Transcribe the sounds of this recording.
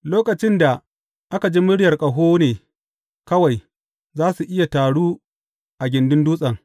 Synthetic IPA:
loː˦kɐ˨t͡ʃɪ˦nda˨ | ʔa˦ka˨d͡ʒi˦mʊ˦ɽjɐ˨rkʼɐ˨ɦoː˦neː˨ | kɐ˦wa˨j | zaː˦su˨ʔɪ˦ja˨taː˨ɽuː˦ | ʔa˨ɡʲɪ˨ndʊ˦nduː˦sʼɐ˨ŋ

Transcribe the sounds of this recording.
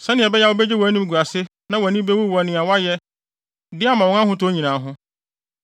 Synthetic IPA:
sɛ̃˦nɪ̃˨ɛ˨bɛ˦ja˦wo˦bɛ˦d͡ʑe˦wɔ˨˦nĩ˦m˦ɡu˨a˨sɪ˦ | nã˦wnĩ˦be˦wu˦wa˨nɪ̃˨a˨wa˦jɛ˦ | dɪ˦a˦mã˨wɔ̃˦ã˦hʊ̃˦tʰʊ˦o˦ɲĩ˨nãː˨ɦʊ̃˦

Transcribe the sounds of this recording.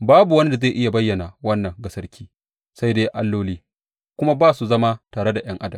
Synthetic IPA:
baː˦bu˨wɐ˦ni˦da˨zeː˦˨ʔɪ˦ja˨bɐ˦jːɐ˨na˨wɐ˦nːɐ˨ŋɡɐ˦sɐ˦rkʲiː˦ | sa˦jdeː˦ʔa˦lːoː˦liː˦ | kʷʊ˦ma˦baː˦su˨zɐ˦ma˦taː˨ɽe˦da˨j̰ɐ˦ŋʔa˦dɐ˨m

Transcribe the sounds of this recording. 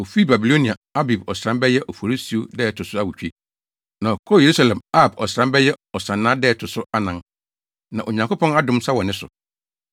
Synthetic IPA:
o˨fi˦˨ba˨bi˨lo˦nĩ˨a˨a˦bi˨bɔ˨sɾã˦mbɛ˦jɛ˦ʔɔ˨fo˨ɾi˦si˨˦o˦dɛː˦˨tʰʊ˨sʊ˦a˦wu˨t͡ɕᶣi˦ | nã˨kʰɔ˦˨e˨ɾu˦sa˨lɛ̃˨ma˦˨bɔ˨sɾã˦mbɛ˦jɛ˦ɔ˨sã˨nːãː˦dɛː˦˨tʰʊ˨sʊ˦a˦nã˦n | nã˨ʔo˨ɲã˨ŋko˦pʰɔ̃˦na˦dʊ̃˦msa˦wɔ˨nɪ̃˦sʊ̰˨

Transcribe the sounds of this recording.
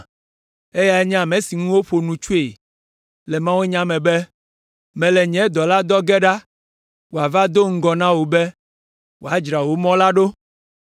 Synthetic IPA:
e˦ja˨ɛ˦ɲɛ̃˦a˨mɛ̃˨si˨ŋũ˦wo˦ɸo˨nũ˨t͡ʃu˦e˨ | lɛ˨mã˦wũ˦e˦ɲã˦mɛ̃˨bɛ˦ | mɛ̃˨lɛ˨ɲɛ̃˨˦d̪ɔ˨la˦d̪ɔ˦ɡɛ˦ɖa˦ | wo˨a˨va˦d̪o˦ŋ̩˦ɡɔ˨nã˦wo˨bɛ˦ | wo˨a˨d͡ʒɾa˨wo˨mɔ̃˦la˦ɖo˦

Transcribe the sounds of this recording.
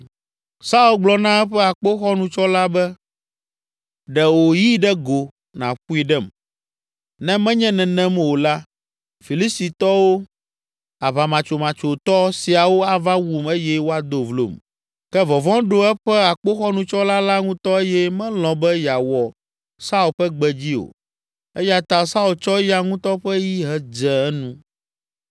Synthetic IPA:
sa˦u˦lɡ͡blɔ˨nã˦ɛ˦ɸɛ˦a˨k͡po˦xɔ˦nũ˦t͡ʃɔ˦la˦bɛ˦ | ɖɛ˨wo˨ji˦ɖɛ˦ɡo˨ | nã̰˨ɸu˦i˦ɖɛ˦˨m | nɛ̃˦mɛ̃˦ɲɛ̃˦nɛ̃˨nɛ̃˦mwo˨la˦ | fi˨li˦st̪i˨t̪ɔ˦wo˦ | a˨βa˨mã˨t͡ʃo˨mã˨t͡ʃo˨t̪ɔ˦si˨a˨wo˦a˦va˦wu˦˨me˦jɛ˦wo˦a˨d̪o˨vlo̰˨m | kɛ˦vɔ˨vɔ̃˦ɖo˦ɛ˦ɸɛ˦a˨k͡po˦xɔ˦nũ˨t͡ʃɔ˦la˦la˦ŋũ˦t̪ɔ˦e˦jɛ˦mɛ̃˦lɔ̃˨bɛ˦ja˨wɔ˨ | sa˦u˨ɸɛ˦ɡ͡bɛ˨d͡ʑi˦o̰˨ | ɛ˦ja˨t̪a˨sa˦u˨lt͡ʃɔ˦ja˦ŋũ˦t̪ɔ˦ɸɛ˦ji˦ɦɛ˦d͡ʒɛ˨ɛ˦nũ˦

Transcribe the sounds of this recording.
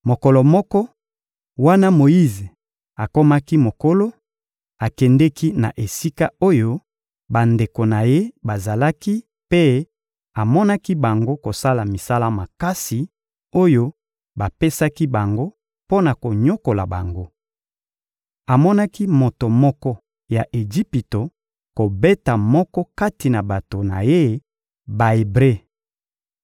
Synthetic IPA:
mo˨kɔ˨lɔ˨mɔ˦kɔ˦ | wa˦na˦mo˨ji˦ze˨ | a˨ko˦ma˦ki˦mo˨ko˦lo˦ | a˨kɛ˨ndɛ˦ki˦na̰˨ʔe˨si˦ka˦o˦jo˦ | ba˨nde˨ko˨na˨je˦ba˨za˨la˦ki˦ | pe˦ | a˨mɔ˦na˦ki˦ba˨ŋɡo˦ko˨sa˦la˨mi˨sa˦la˦ma˨ka˦si˨ | o˦jo˦ | ba˨pe˦sa˦ki˦ba˨ŋɡo˦ | po˦na˨ko˨ɲo˦ko˨la̰˨ba˨ŋɡo˦ | a˨mɔ˦na˦ki˦mo˨to˨mɔ˦kɔ˦ | ja˨ʔe˨d͡ʒi˦pi˨to˨ | ko˨be˦ta˨mɔ˦kɔ˦ka˦ti˨na˨ba˨to˨na˨je˦ | ba˨e˨bʁe˦

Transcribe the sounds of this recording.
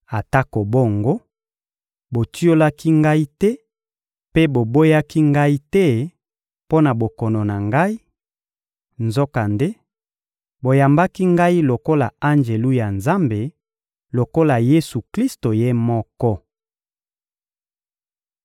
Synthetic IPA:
a˨ta˦ko˨bo˦˨ŋɡo˦ | bo˨ti˦o˦la˦ki˦ŋɡa˦i˦tɛ˦ | pe˦bo˨bo˦ja˦ki˦ŋɡa˦i˦tɛ˦ | po˦na˨bo˨kɔ˨nɔ˨na˨ŋɡa˦i˦ | nzo˦ka˨nde˦ | bo˨ja˨mba˦ki˦ŋɡa˦i˦lo˨ko˦la̰˨a˦ŋd͡ʒe˨lu˦ja˨nza˦mbe˨ | lo˨ko˦la˨je˦su˨kli˦sto˨je˦mɔ˦kɔ˦

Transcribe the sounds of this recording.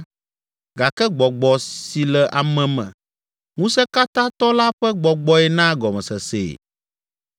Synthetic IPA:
ɡa˨kɛ˦ɡ͡bɔ˨ɡ͡bɔ˨si˨lɛ˨ʔa˨mɛ̃˨mɛ̰̃˨ | ŋũ˦sɛ˦ka˦t̪ã˦t̪ɔ˦la˦ɸɛ˦ɡ͡bɔ˨ɡ͡bɔ˦ɛ˨nã˦ɡɔ˨mɛ̃˨sɛ˨sḛː˨

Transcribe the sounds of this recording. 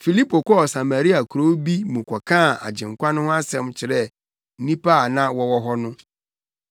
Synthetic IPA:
fi˨li˦pʰo˨kɔ˦˨sa˨ma˨ɾi˦a˨kʰu˨ɾo˦bi˦mũ˨kʷʰɔ˨kʰãː˦˨a̰˨d͡ʑɪ̃˨ŋ̩˨kʷa˦nʊ̃˦hʊ̃˦a˦sɛ̃˦mt͡ɕʰɪ˨ɾɛ˦˨ | n̩˦nĩ˦pʰa˦a˨nã˦wɔ˦wɔ˦ɦɔ˦nʊ̃˦

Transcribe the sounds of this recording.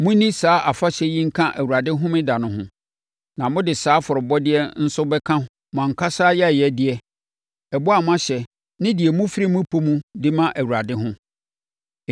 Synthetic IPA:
mũ˦nĩ˦saː˨˦ʔa˨fa˦ɕɛ˦jĩ˦ŋ̩˦kʰã˦ʔæ˨wu˨ɾa˨dɪ˦ɦʊ̃˦mɪ̃˦da˨nʊ̃˦ɦʊ̃˦ | nã˨mʊ̃˦dɪ˨saː˨˦fʊ˨ɾʊ˨bɔ˦dɪ˦ɛ˦n̩˦sʊ˦bɛ˦kʰã˦hm˨ã˨ŋ̩˨kʰa˦saː˦jɛ˦˨jɛ˦dɪ˨ɛ˦ | ɛ˨bʊ˦a˨m˦ã˦ɕɛ˨ | nɪ̃˦dɪ˨ɛ˨mũ˦fi˦ɾi˦mũ˦pʰo˦mũ˦dɪ˦mã˦ʔæ˨wu˨ɾa˨dɪ˦ɦʊ̃˦

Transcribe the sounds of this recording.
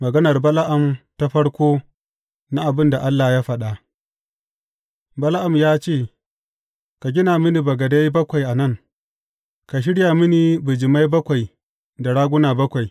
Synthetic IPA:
mɐ˨ɡɐ˦nɐ˨rbɐ˦la˦ʔa˨mta˦ɸɐ˦ɽkʷoː˦ | na˦ʔa˨bɪ˦nda˨ʔa˦lːa˨jaː˦ɸɐ˦ɗa˨ | bɐ˦la˦ʔa˨mjaː˦t͡ʃeː˦˨ | ka˨ɡʲɪ˦naː˨mɪ˦ni˨bɐ˨ɡɐ˨da˦jbɐ˦kʷa˨jʔa˨nɐ˦˨ŋ | ka˨ʃ̬ɪ˦ɽja˨mɪ˦ni˨bɨ˨d͡ʒɪ˨ma˦jbɐ˦kʷa˨j | da˨ɽaː˦ɡʷʊ˦naː˨bɐ˦kʷa˨j

